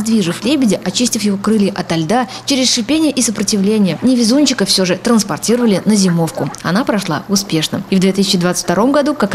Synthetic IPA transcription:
zd̪vʲiʐɨflʲebʲɪdʲɪʔɐt͡ɕisʲtʲɪfjɪvokɾɨlʲjɪʔɐt̪ɐlʲd̪at͡ɕeɾʲɪsʂɨpʲenʲɪjəʔɪsəpɾətʲɪvlʲenʲɪjənʲɪvʲɪzunʲt͡ɕɪkəfsʲoʐɨt̪ɾənspɐrtʲiɾəvəlʲɪnəzʲɪmo̞fkʊɐ̰napɾɐʂlˠa̰ʊspʲe̞ʂnə̰ivd̪ʲet̪ɨsʲɪ̥t͡ɕɪd̪vat̪sɨ̥tʲfʲt̪ɐɾo̞mɡɐd̪ukak

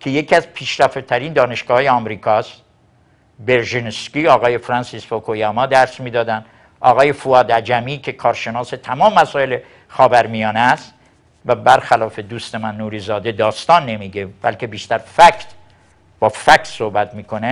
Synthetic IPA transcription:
kʰe̞jecʰiæzpʰiːʃɾæft̪t̪ʰæɾiːnd̪ɒːne̞ʃɡ̥ɒːhɒːjeɒːmɾiːkʰɒst̪ | beɾʒinskʲiɒːɣɒːjefɾɑnsisfokʰojɑmɒːd̪æɾsmiːd̪ɒːd̪ænd̪ | ɒːɣɒːje̞fuɒːd̪æd͡ʒæmiːkʰe̞kʰɒːɾʃe̞nɒːse̞t̪ʰæmɒːmemæsɒːele | xɒːbæɾmijɒːneæst̪ | væbæɾxælɒːfe̞d̪uːst̪e̞mænːuːɾiːzɒːd̪e̞d̪ɒːst̪ɒːnːe̞miːɡebæ̰lkʰe̞biːʃt̪æɾfækʰt̪ | b̥ɒːfækʰt̪sohbæt̪miːkʰo̞ne

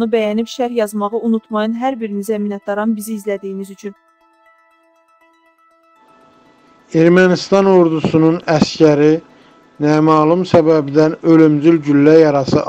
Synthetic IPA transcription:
ɯbæjænipʃæɾjɑzmɑʁɯunut̪ʰmɑjɯnɦæɾbiɾinizæminɑt̪̚d̪ɑɾɑnbiziːzlæd̪ijimizyt͡ʃʰyn | eɾmænist̪ɑnoɾd̪usununæscæɾi | næmɑːlˠumsæbæbid̪ænø̞lymd͡ʒ̪ylɟylːæjɑɾɑsɯ

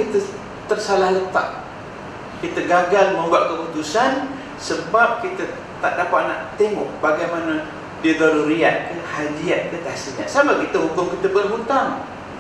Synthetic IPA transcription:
it̪ə | t̪ərsalahlət̪a̰ʔ̚ | kit̪əɡaɡalməmbuaʔkəput̪usan | səbap̚kit̪ə | t̪a̰ʔdapat̪̚na̰ʔt̪eŋɔʔbaɡajmana | did̪aɾuɾiat̪̚kəhadiat̪̚dək̪asiɲaʔsamakit̪əɦukʊmkit̪əbərɦut̪aŋ

